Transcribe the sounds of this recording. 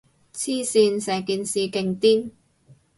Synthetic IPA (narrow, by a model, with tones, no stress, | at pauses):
t͡sʰiː˥siː˧nsɛː˨˩ŋkiː˨nsiː˨˧ke˧ŋt̪iː˥n